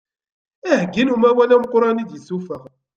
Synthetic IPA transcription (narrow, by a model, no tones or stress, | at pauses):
æhɡːinumæwælæmqɾˤɑnid̪jiθufæ